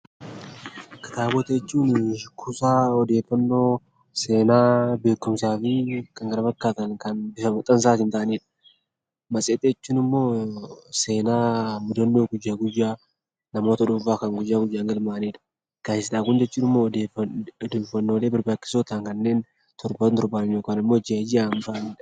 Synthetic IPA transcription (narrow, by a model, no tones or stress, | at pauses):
kɐ̥t̪aːbɔt̪ɐɛt͡ʃːuːnkʰʊsʼaːɔd̪eːfːɐnːo̞ː | se̞ːnaːbe̞ːkːʊmsaːfɪkɐŋɡɐɾɐfɐkːaːt̪ɐŋkɐnbɪfɐmʊt̪ʼːɐns̬aːɪnt̪aːʔɐneːᶑɐ̥ | mɐsʼeːt̪ʼeɛt͡ʃːuːnɪmːo̞ːse̞ːnaːmʊd̪ɐnːoːɡʊjːaːɡʊjːaː | nɐmo̞ːt̪ɐᶑʊɱfaːkɐŋɡʊjːaːɡʊjːaːŋɡɐlmaːneːᶑɐ̥ | ɡ̥aːɪsᶑaːkʊnd͡ʒɛt͡ʃːuːnɪmːo̞ːded̪eːfːɐnːoːle̞ːbɪɾbaːt͡ʃːɪ̥soːt̪aŋkɐnːe̞ːn | t̪ʰɔɾbɐt̪ɔɾbaːnnjoːkaːnɪmːoːd͡ʒed͡ʒɪaːnt̪aʔneːᶑɐ